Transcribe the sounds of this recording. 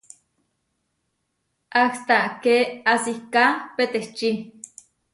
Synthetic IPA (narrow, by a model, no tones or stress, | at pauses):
akst̪aʔkeasihkapet̪eht͡ʃi